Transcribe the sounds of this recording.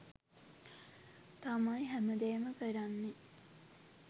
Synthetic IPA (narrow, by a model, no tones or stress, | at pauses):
t̪amajɦæməd̪eːməkəɾanːe